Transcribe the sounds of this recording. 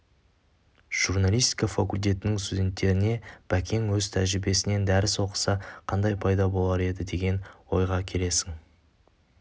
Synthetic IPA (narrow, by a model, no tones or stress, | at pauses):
ʒ̥uɾnalʲijst̪i̥kɑfakulʲt̪̬e̞t̪ɪnɪŋst̪ud̪ʲe̞nt̪ːe̞ɾɪne̞b̥ækʲʰe̞ŋwɵzt̪ʰæʒɾɪbe̞sɪne̞nd̪æɾɪso̞qə̥sɑqʰɑnd̪ɑjpʰɑjd̪ɑbo̞lˠɑɾe̞d̪ɪd̪e̞ɡʲe̞nwo̞jʁɑkʲʰe̞le̞sɪŋ